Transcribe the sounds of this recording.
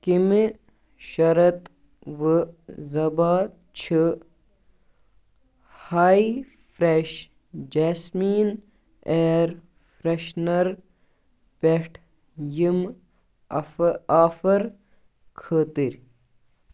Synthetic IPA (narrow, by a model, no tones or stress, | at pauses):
kimi | ʃɐɾɐt̪ | ʋɨzɐbaːt̪ | t͡ɕʰi | haːi | fɾeʃ | d͡ʒaːsmiːn | eːɾ | fɾeʃnɐɾ | peʈʰ | jim | aːfɐɾ | kʰəːt̪iɾʲ